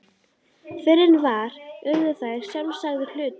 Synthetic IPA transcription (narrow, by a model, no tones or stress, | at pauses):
fɪɾɪnvaɾ̥ʏɾðʏθaːjɾ̥sjamsaɣðɪɾ̥l̥ʏːt̪